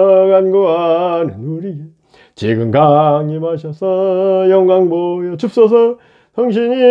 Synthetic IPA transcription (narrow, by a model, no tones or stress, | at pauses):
ɡanɡoanɯnuɾio | t͡ɕeɡɯnkaŋimaɕ̬ʰʌsʰʌjʌŋɡaŋbojʌt͡ɕup̚s͈ʌs̬ʰʌ | tʰʌŋɕ̬ʰiɲi